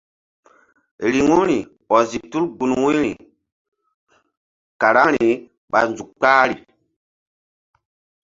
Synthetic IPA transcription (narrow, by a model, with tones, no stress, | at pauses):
ɾi˨ŋu˦ɾi˨ | ɔ˨zi˨tu˦lɡu˨nwu˦ɾi˨ | ka˨ɾa˦ɾi˨ | ɓa̰˨nzu˨k̚k͡pa˦ɾi˨